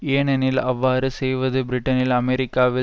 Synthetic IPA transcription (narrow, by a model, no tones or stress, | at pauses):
enɐnɪlɐʋːaːɾɯsɛjʋɐðɯbɾɪʈːɐnɪlɐmɛɾɪkːaːʋɪ